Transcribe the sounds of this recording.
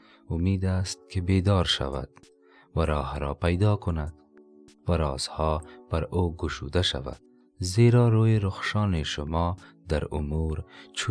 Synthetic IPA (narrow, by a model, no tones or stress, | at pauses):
ʊmid̪ast̪̚kebed̪ɑɾʃa̰wa̰d̪̥ | waɾɑːhɾɔpajd̪ɑkʊnad̪ | waɾɑ̰ːz̥hɑb̥aɾoɡʊʃud̪aʃa̰va̰d̪̥̚ | zeɾɑɾojeɾʊxʃɑːneʃʊmɔd̪aɾʊ̰muɾt͡ʃʰu